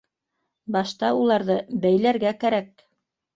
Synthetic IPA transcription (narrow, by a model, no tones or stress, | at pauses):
bɑʃt̪ɑulˠɑɾðɤbæjlæɾɡækæɾæk̚